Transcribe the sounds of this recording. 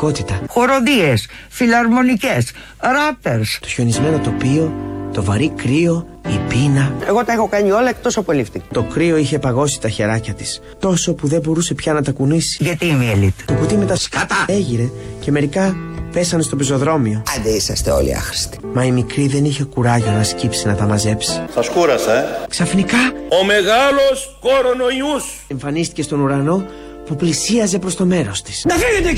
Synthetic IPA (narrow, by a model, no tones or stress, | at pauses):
ko̞t̪it̪ɐxoɾod̪ies | filɐɾmo̞nices | ɾɐpeɾst̪oço̞nizme̞no̞t̪o̞pio̞t̪o̞vɐɾikɾio̞ | ipinɐe̞ɣo̞t̪ɐexokɐɲio̞lɐekt̪osoɐpolift̪ikɐ̥t̪o̞kɾio̞içe̞pɐɣo̞si̥t̪ɐçe̞ɾɐcɐt̪i̥s | t̪o̞so̞puðe̞bo̞ɾuse̞pçɐnɐt̪ɐkunisi̥ʝɐt̪imilit̪t̪okut̪ime̞t̪ɐskɐt̪ɐeʝiɾe̞ce̞me̞ɾikɐpe̞sɐne̞st̪o̞piso̞ðɾo̞mio̞ɐnd̪eisɐst̪eo̞̰lḭɐ̰xɾi̥st̪i̥mɐimikɾiðe̞niçe̞kuɾɐʝonɐscipsinɐt̪ɐmɐze̞psi̥sɐskuɾɐsɐksɐfnikɐome̞ɣɐlos | koɾonoius | eɱfɐnist̪ice̞st̪o̞nuɾɐno̞ | puplisiɐze̞pɾo̞st̪o̞me̞ɾo̞st̪i̥snd̪ɐfiet̪e